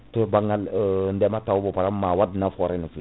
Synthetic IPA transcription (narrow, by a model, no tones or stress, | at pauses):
tubaŋalndɛmatawbopaɾamːawad̚nafɔɾinufi